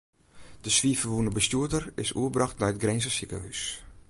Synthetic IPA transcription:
d̥əsʋiəfəʋunəbəstuətərɪsṵəbrɑxtnajətɡrɛnzəsikə̰hys

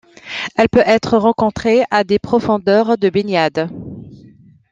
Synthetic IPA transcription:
ɛlpøʔɛt̪χəʁɑ̃kɔ̃t̪χead̪epχɔfɔ̃d̪œʁd̪əbenjad̪

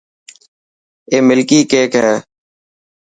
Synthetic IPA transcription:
eːmɪlkiːkeːkɦɛː

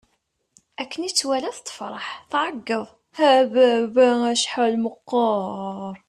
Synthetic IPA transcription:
ækːənit͡sːwælæθt̪ˤːə̥fɾˤɑħθʕəɡːəðˤ | hæbæbææʃħalməqːɑɾˤ

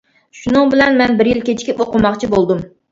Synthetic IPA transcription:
ʃunɨŋbɪlɛnmɛnbɪɾjilkʲet͡ʃʰkʲʰipoqʊmɑqt͡ʃʰibolˠd̪um

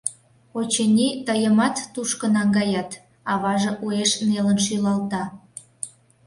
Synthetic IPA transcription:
ot͡ɕenʲit̪əjəmɑt̪ːuʃkənɑŋɡɑjɑt̪ | ɑβɑʒɤ̆ʔueʃnelənʃ̬ylɑlt̪ɑ

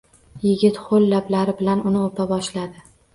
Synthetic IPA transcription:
jɪɡʲɪt̪χolːablaɾɪbɪlanʊnɪopʰabɒʃlad̪ɪ

